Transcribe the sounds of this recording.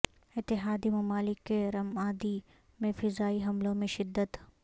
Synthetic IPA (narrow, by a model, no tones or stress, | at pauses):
ɪt̪ːɪɦaːd̪imɐmaːlɪkːeɾɐmaːd̪i | mẽfɪzaːiɦɐmlõmẽʃɪd̪ːət̪